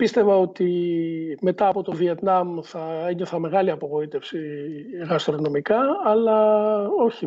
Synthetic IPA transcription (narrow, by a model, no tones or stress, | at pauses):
pist̪e̞vɐo̞t̪i | me̞t̪ɐːpo̞t̪o̞vie̞t̪nɐmθɐe̞ɲo̞θɐme̞ɣɐliɐpo̞ɣo̞it̪e̞fsiɣɐst̪ɾono̞mikɐːlɐo̞çi